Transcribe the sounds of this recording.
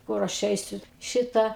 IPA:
ˈkʊr ɐʃ ˈɛɪsʲʊ ˈʃʲɪtɑː

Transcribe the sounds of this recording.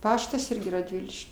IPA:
ˈpɑːʃtɐs ˈɪrʲɡʲɪ rɐdʲˈʋʲɪlʲɪʃʲ

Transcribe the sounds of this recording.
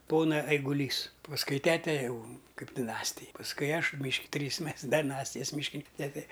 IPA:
ˈpoːnɐ ɛɪɡʊˈlʲiːs pɐsˈkʊɪ ˈtʲæːtʲɛ ˈjɛʊ ˈkɐɪp dʲɪˈnɑːsʲtʲɪj pɐsˈkʊɪ ˈɐʃ mʲiːʃk ˈtʲrʲiːs ˈmʲɛs dʲɛˈnɑːsʲtʲɪjɛs mʲiːʃʲˈkʲɪnʲɪn ˈtʲæːtʲɛ

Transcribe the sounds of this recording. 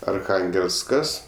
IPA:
ɐrˈxɐŋʲɡʲɛlˠsˌkɐs

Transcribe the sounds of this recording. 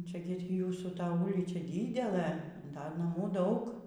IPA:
ˈt͡ʃʲɛ ˈɡʲɪ ɪr juːsuː ˈtɐ ˈuːlʲiːt͡ʃʲɛ ˈdʲɪdʲɛlˠɘ ˈdɐ nɐˈmuː ˈdɐʊk

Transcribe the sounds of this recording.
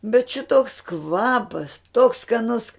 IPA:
bʲɛt ˈʃʲɪtoːks ˈkʋɑːpɐs toːks skɐˈnʊs

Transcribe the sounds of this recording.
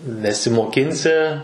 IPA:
nʲɛsʲɪmoːˈkʲɪnʲsʲɪ

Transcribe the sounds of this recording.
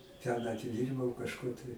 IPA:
tʲɛn ɐtʲɪˈdʲiːrbɐʊ kɐʃˈkʊr tɐɪ

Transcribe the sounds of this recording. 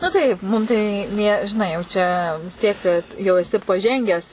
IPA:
nʊ ˈtɐɪp ˈmʊm tɐɪ ˈnʲeː ʒʲɪˈnɐɪ jɛʊ ˈt͡ʃʲɛ ʋʲɪs ˈtʲiɛk kɐt jɛʊ ɛˈsʲɪ pɐˈʒʲɛŋʲɡʲæːs

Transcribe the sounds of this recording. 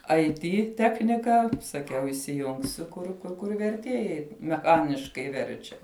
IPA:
ɐɪ ˈtʲiː ˈtʲæːxʲnʲɪkɐ sɐˈkʲɛʊ iːsʲɪˈjʊŋksʲʊ ˈkʊr kʊr kʊr ʋʲɛrʲˈtʲiɛjɛɪ mʲɛˈxɑːnʲɪʃkɐɪ ˈʋʲɛrʲt͡ʃʲɛ

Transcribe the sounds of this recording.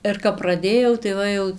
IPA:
ɪr kɐp prɐˈdʲeːjɛʊ tɐɪ ˈʋɐ jɛʊ

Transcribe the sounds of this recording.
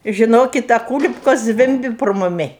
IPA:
ʒʲɪˈnoːkʲɪt ɐ ˈkuːlʲɪpkoːs ˈzʲʋʲɪmʲbʲɪ proː mʊˈmʲɪ

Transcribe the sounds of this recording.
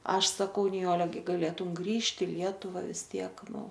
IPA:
ˈɐʃ sɐˈkɐʊ nʲɪˈjoːlʲɛ ˈɡʲɪ ɡɐˈlʲeːtʊm ˈɡrʲiːʃʲtʲɪ ɪ ˈlʲiɛtʊʋɐ ʋʲɪs ˈtʲiɛk ˈnʊ

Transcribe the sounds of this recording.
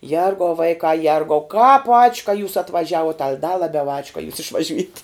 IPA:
ˈjɛrɡɐʊ ˈʋɐɪkɑː ˈjɛrɡɐʊ kɑːp ɐt͡ʃʲ kɐ juːs ɐtʋɐˈʒʲæːʋuɔt ɐlʲ dɐ lˠɐˈbʲɛʊ ɐt͡ʃʲ kɐ juːs ɪʃʋɐˈʒʲʊjɛtʲ

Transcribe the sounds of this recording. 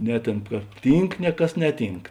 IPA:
ˈnʲɛ ˌtʲeːn kɐ ˈtʲiːŋk ˈnʲɛ ˌkɐs ˈnʲæːˌtʲiːŋk

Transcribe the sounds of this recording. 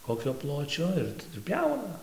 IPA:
ˈkoːkʲoː ˈplˠoːt͡ʃʲoː ɪr ˈtɑːdʊ ˈpʲjɛʊnɐ

